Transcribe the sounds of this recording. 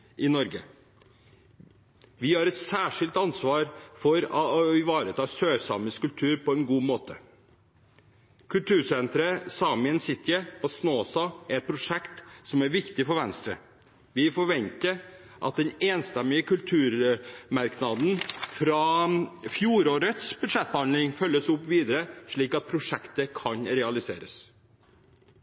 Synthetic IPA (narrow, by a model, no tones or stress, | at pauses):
ʔɪnɔɾɡə | ʋɪhɑɾɛt̪sæːʂɪlt̪ɑnsʋɑːɾfɔɾɪʋɑːɾət̪ʰɑːsøːsɑ̰məskʉlt̪ʰʉːɾpɔɛnɡuːmoːt̪ʰə | kʰʉlt̪ʰʉːʂɛnt̪ɾəsɑːmɪənsɪt̪ːɪəɔsnoːsɑæɾɛt̪̚pʰɾʊʂɛkt̪sɔmæɾʋɪkt̪ɪfɔɾʋɛnst̪ɾə̰ | ʋɪfɔɾʋɛnt̪əɾ | ʔɑ̰t̪̚d̪ɛneːnst̪ɛmːɪəkʉlt̪ʰʉːɾmɑɾknɑd̪n̩fɾɑfjuːɾoːɾət̪sb̥ʉd̪ʂɛt̪̚ːbəhɑnd̪lɪŋfœlːəsʊpʋiːd̪əɾəʂɭiːkɑt̪̚pʰɾʊʂɛkt̪əkʰɑnɾɛɑlɪsḛːɾəs